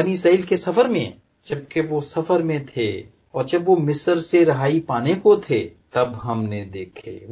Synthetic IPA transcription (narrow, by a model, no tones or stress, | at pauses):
ɐnisaːiːlkesɐfəɾmḛ̃ | d͡ʒɐb̚keʋosɐfəɾmẽt̪ʰe | ɔːɾd͡ʒɐbʋomɪsəɾseɾɐɦaːipaːnekot̪ʰet̪ɐbɦɐmned̪eːkʰḛː